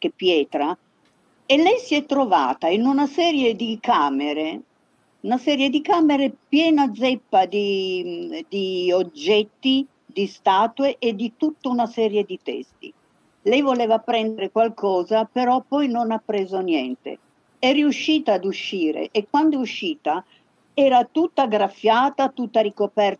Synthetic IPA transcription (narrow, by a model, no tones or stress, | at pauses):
k̟epːjɛːt̪ɾa | elːɛjsiɛt̪ːɾova̰ːt̪ainunasɛːɾjed̪ikaːmeɾe | unasɛːɾjed̪ikaːmeɾepjɛːnad̪zɛpːad̪i | d̪iod͡ʒːɛt̪ːi | d̪ist̪aːt̪weʔed̪ːit̪ut̪ːounasɛːɾjed̪it̪ɛ̰st̪ḭ | lɛjvoleːvapɾɛnd̪eɾekwalkʰɔːzapeɾɔpːɔjnonapːɾeːzonjɛnt̪ḛ | ɛriuʃːiːt̪aːd̪uʃːiːɾḛʔːkːwand̪ouʃːiːt̪a | ɛːɾat̪ut̪ːaɡɾafːjaːt̪at̪ut̪ːaɾikopɛr